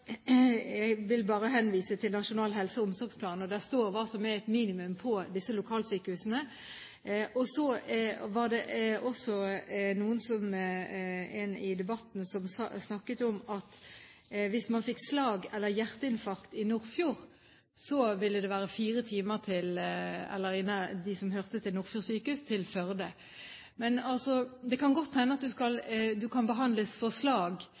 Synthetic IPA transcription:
jæɡʋɪlbɑːʁəɦɛnʋiːsət̪ʰɪlnɑʃʊnɑːlɦɛlsəʊmsɔɾɡspʰlɑːnɔd̪æʁst̪oːʁʋɑːsɔmææt̪miːnɪmʉmpʰɔd̪ɪsːəlʊkʰɑːlsyːkəhʉsənə | ʔɔsɔʋɑʁd̪ɛʔɔsɔnuːənsɔm | ɛnɪd̪ɛbɑt̪n̩sɔmsɑ̰snɑkːət̪ɔmɑt̪ | ʋɪsmɑnfɪkːslɑːɡɛlːəʁjæʁt̪əɪnfɑɾkt̪ɪnʊʁfjuːʁ | sɔʋɪlːəd̪ɛʋæːɾəfiːɾət̪ʰiːməʁt̪ʰɪlɛ̰lːəɾɪnːɑd̪ɪsɔmɦœʁt̪ət̪ʰɪlnʊːʁfjuːsyːkəʉst̪ʰɪlfœʁd̪ə | mɛnɑlsɔd̪ɛkʰɑnɡɔt̪ːʰænəɑt̪̚d̪ʉskɑld̪ʉkʰɑnbəɦɑnd̪ləsfɔʁslɑːɡ

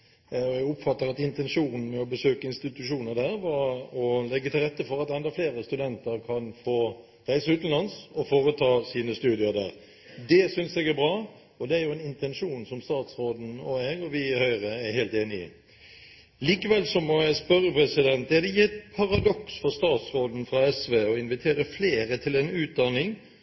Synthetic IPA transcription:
ɛɡʊpfɑt̪ːəɾɑt̪ɪnt̪ɛnʂuːnn̩mɛɔbəsøːkəɪnst̪ɪt̪ʉʂuːnəɾd̪æːɾʋɑɾɔlɛɡːət̪ʰɪlʁɛt̪ːəfɔɾɑt̪ɛnd̪ɑfleːɾəst̪ʉd̪ɛnt̪əɾkʰɑnfoː | ɾæɪsəʉːt̪n̩lɑnsɔfoːɾət̪ʰɑːsiːnəst̪ʉːd̪ɪəɾd̪æ̰ːʁ | d̪ɛsʏnsɛɡæɾbɾɑː | ɔd̪ɛæɾjʊɛnɪnt̪ɛnʃuːnsɔmst̪ɑːt̪sɾoːd̪n̩ɔæːɾɔʋɪhœʏʁəæɾheːlt̪eːnɪə̰ | liːkəʋɛlsɔmːɔjæɪspœɾəpʰɾɛsɪd̪ɛnt̪æɾd̪ɛjiːɛt̪pʰɑɾɑd̪ɔksfɔɾst̪ɑːt̪sɾoːd̪n̩fɾɑɛsʋeːɔɪnʋɪt̪ʰeːɾəfleːɾət̪ʰɪlɛnʉːt̪̚d̪ɑnːɪŋ

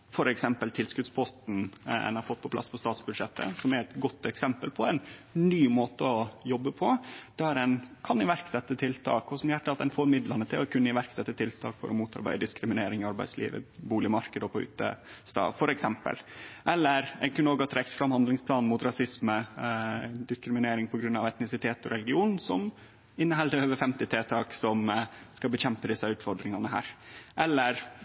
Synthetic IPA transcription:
fɔɾɛksɛmpəlt̪ʰɪlskʉd̪spʰɔst̪n̩ɛ̰nɑɾfɔt̪ːpʰɔplɑ̰spʰɔst̪ɑːt̪sbʉd̪ʂɛt̪ʰːə̰sɔmæɾɛt̪ɡɔt̪ːɛksɛmpəlpʰɔɛɪnnyːmoːt̪əɔjɔbːəpʰɔd̪̥æɾɛnkʰɑnɪʋæɾksɛt̪ːət̪ʰɪlt̪ʰɑ̰ːkɔsɔmjæʈːəɑt̪ɛnfɔɾmɪd̪lɑnət̪ʰɪlɔkʉnːəɪʋæɾksɛt̪ːət̪ʰɪlt̪ʰɑːkfɔ̰ɾɔmuːt̪ʰɑɾbæ̰ɪd̪əd̪ɪskɾɪmɪneːɾɪŋɪɑɾbæɪslḭːʋə̰buːlɪəmɑɾkəd̪ɔpʰɔʉ̰ːt̪ə̰st̪ɑ̰ːfɔɾɛksɛmpə̰lʔɛlːəɾɛnkʰʉnəoːɡɑt̪ʰɾɛkt̪fɾɑmhɑnd̪lɪŋspʰlɑːnmʊt̪ɾɑsɪsmə | d̪ɪskɾɪmɪneːɾɪŋpʰɔɡɾʉnːɑʋɛt̪nɪsɪt̪ʰeːt̪ɔɾɛlɪɡɪuːnsɔm | ɪnːəɦɛld̪əøːʋəfɛmt̪ɪt̪ʰeːt̪ʰɑːksɔmskɑbəɕɛmpəd̪ɪsːɑʉːt̪fɔɖ̪ɾɪŋɑnəɦæ̰ːɾʔɛlːəɾ

